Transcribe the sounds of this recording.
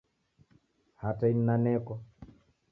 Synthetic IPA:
hatain̩nanɛkɔ

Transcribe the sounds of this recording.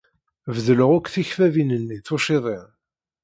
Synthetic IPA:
vðələʁʊkʷːθiçfævinənːiθʊʃɪðˤɪ

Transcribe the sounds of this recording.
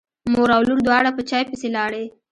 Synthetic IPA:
moɾawluɾd̪wɑɽapət͡ʃɑjpəselɑɽe

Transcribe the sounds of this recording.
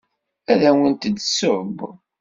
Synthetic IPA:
æðæwint̪əd̪sʊb

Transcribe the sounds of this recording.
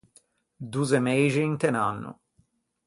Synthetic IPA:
d̪uːzemejʒiːnt̪enanːʊ̰

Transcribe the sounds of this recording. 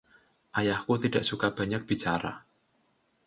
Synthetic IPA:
ʔajahkut̪idaʔsukab̥a̤ɲak̚b̥i̤t͡ʃaɾa̰

